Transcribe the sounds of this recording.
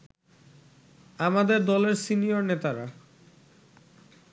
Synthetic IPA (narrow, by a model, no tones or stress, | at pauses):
amad̪eɾd̪ɔleɾsinijoɾnet̪aɾa